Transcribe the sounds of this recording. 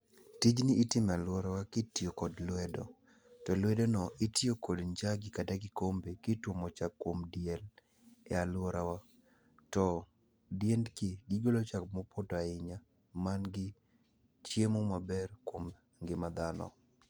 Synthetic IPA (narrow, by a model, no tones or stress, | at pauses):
tid͡ʒnɪʔːtɪmɛalwɔɾawakɪtjokɔdlwɛdɔ̰ | tɔlwɛdonɔʔitjokɔdɲd͡ʒaɡɪkadaɡɪkombekɪtwomɔt͡ʃakːwomdjel | ɛalwɔɾawa | tɔ | djendkeɡiɡolot͡ʃakmɔpʰodaɪɲa | manɡɪ | t͡ʃjemomabɛrkwom | ŋɡɪmad̪anɔ̰